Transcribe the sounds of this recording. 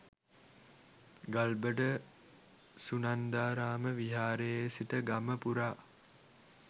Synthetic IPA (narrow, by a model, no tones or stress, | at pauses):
ɡalbəɖə | sunand̪aːɾaːməʋiɦaːɾejsiʈəɡaməpuɾaː